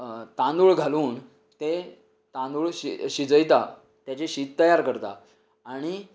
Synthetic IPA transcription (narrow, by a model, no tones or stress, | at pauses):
t̪ãnd̪uːɭɡʱaluːn | t̪e | t̪ãnd̪uːɭɕiɕid͡zəjt̪a | t̪jat͡ɕeɕiːt̪t̪əjaɾkəɾt̪a̰ | aɽ̃i